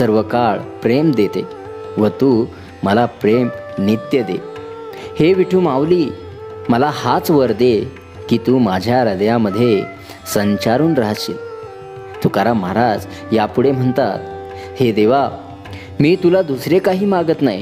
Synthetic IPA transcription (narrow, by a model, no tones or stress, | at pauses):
səɾʋəkaɭpɾemd̪et̪ḛ | ʋət̪uː | məlapɾemnit̪jəd̪ḛ | heʋiʈʰuːmaʋliː | məlahat͡sʋəɾd̪e | kiːt̪uːmad͡ʑʱjaɾəd̪jaməd̪ʱːje | səɲt͡ɕaɾuːnɾaɦɕḛ | t̪ukaɾamaɾad͡z | japuɽem̤əɳt̪a̰t̪̚ | hed̪eʋa | miːt̪ulad̪usɾekaɦiːmaɡət̪naɦi